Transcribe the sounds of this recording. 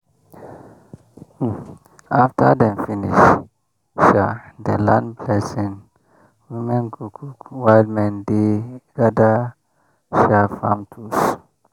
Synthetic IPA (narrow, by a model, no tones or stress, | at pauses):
aftadɛ̃mfinḭʃ | ʃadəlãnblɛsĩŋ | wimɛ̃nɡukʰukwaldmɛ̃ndeɡada | ʃafãmtʰus